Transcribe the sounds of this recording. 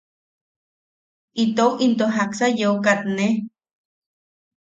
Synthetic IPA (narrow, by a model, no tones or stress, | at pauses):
it̪owʔint̪oɦaksajokat̪ne